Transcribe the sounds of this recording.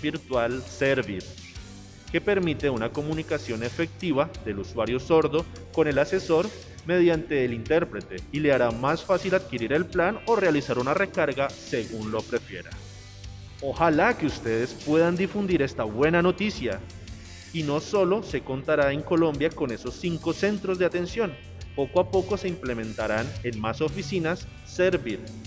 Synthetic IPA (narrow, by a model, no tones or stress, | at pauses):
biɾt̪walseɾβiɾ | ke̞pe̞ɾmit̪e̞unako̞munikasjo̞ne̞fe̞k̚t̪iβaðe̞luswaɾjo̞so̞ɾðo̞ | ko̞ne̞lase̞so̞ɾ | me̞ðjant̪e̞ːlint̪e̞ɾpɾe̞t̪e̞ile̞aɾamasfasilaðkiɾiɾe̞lplano̞realisaɾunare̞kaɾɣase̞ɣunlo̞pɾe̞fje̞̰ɾa̰ | o̞xalakeust̪e̞ðe̞spwe̞ðand̪ifund̪iɾe̞st̪aβwe̞nano̞t̪isja̰ | ino̞so̞lo̞se̞ko̞nt̪aɾae̞ŋko̞lõ̞mbjako̞ne̞so̞sːiŋko̞se̞nt̪ɾo̞zd̪e̞at̪e̞nsjo̞n | po̞koapo̞ko̞se̞imple̞mẽ̞nt̪aɾane̞nmaso̞fisinasː | eɾβiɾ